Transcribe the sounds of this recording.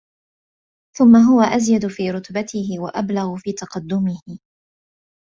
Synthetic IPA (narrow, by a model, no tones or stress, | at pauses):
θʊmːaɦʊwaʔazjad̪ʊfiːɾʊt̪bat̪ɪhɪwa̰ʔablaɣʊfiːt̪ɑqɑd̪ːʊmɪhɪ